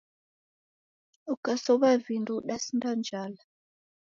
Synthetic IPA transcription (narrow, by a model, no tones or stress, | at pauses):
ukasɔβavinduɗasndand͡ʒala